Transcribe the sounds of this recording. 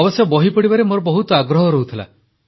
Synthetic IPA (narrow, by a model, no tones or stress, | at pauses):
bɔsjɔbɔɦipɔɽibaɾemoɾɔbɔɦut̪ɔaɡɾɔɦɔɾɔɦut̪ʰila̰